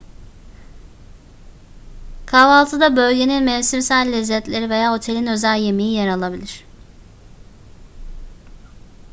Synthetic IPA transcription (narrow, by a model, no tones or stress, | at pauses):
kʰavalˠt̪ʰɯd̪abø̞lʲɟe̞ninmɛvsiɾsælʲːɛzːɛt̪lʲe̞ɾive̞jaːo̞t̪ʰe̞lʲinø̞zælʲje̞mijijaɾalˠabilʲiɾ̝̥